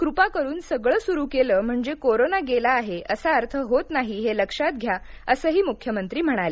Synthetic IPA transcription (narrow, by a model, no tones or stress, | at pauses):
kɾupakəɾuːnsəɡɭəːsuɾuːkeləːm̤əɳd͡zekoɾonaɡelaːɦeʔəsaəɾt̪ʰəɦot̪naɦiɦeləkʂat̪̚ɡʱja | əsəːɦiːmukʰjəmənt̪ɾiːm̤əɽ̃ale